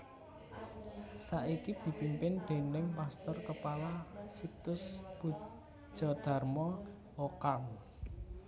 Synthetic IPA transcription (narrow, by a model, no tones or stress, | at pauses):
saʔikib̥i̤pimpɪnɖ̪̥e̤nɪŋpast̪ɔrkəpalasik̚t̪ʊsb̥u̥ | ʒ̥ɔ̤d̪̥a̤rmɔ | okan